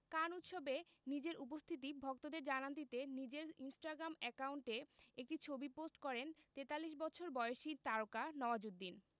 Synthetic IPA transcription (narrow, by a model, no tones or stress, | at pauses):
kanut̪ʃobenid͡ʑeɾup̬ost̪ʰit̪̬ibʱɔk̚t̪od̪eɾd͡ʑanant̪̬it̪enid͡ʑeɾinsʈaɡɾamɛkauɳʈeek̚ʈit͡ɕʰobiposʈkɔɾent̪et̪alːiʃ̬bɔtt͡ɕʰoɾbɔeoʃit̪aɾokanɔoad͡ʑud̪ːin